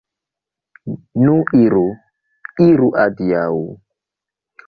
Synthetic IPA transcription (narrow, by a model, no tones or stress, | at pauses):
nuʔiɾu | iɾuʔadiau